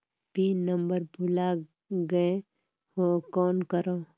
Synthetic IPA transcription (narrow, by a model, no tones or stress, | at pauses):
b̥ʱinəmbəɾbula | ɡəẽ | hoːkɔːnkəɾõː